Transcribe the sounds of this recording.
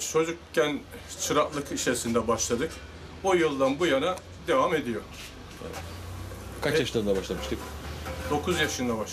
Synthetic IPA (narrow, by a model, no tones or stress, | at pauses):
t͡ʃʰo̞d͡ʒukcːænt͡ʃʰɯɾaklˠɯkit͡ʃeɾsind̪ɛbaʃlˠad̪ɯk | ojɯlˠd̪anbujana | d̪e̞vame̞d̪ijo̞ | ɛ̰vɛt̪kʰat͡ʃjaʃɯlˠaɾɯnd̪abaʃlˠamɯʃt̪ʰɯkd̪̥o̞kʰuzjaʃɯnd̪aba